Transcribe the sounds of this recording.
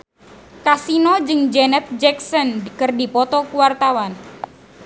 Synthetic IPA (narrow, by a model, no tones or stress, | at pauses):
kasinɔd͡ʒɨŋd͡ʒɛnɛt̪̚d͡ʒɛksɔnkɨrdipɔt̪ɔkuwart̪awan